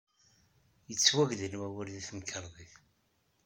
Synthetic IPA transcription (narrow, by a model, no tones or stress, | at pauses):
jət͡sːwæʝðənwæwəɾðiθmkəɾðˤiθ